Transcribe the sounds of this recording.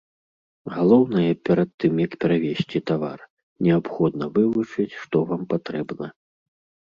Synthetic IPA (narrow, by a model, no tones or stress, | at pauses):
ɣalˠɔwnɐjɐpʲɛɾɐt̪ːɨmjɐkpʲɛɾavʲesʲt͡sʲit̪ava̰r | nʲɛapxɔd̪nɐvɨvut͡ʂɨt͡sʲʂt̪ɔvampat̪ɾɛbnɐ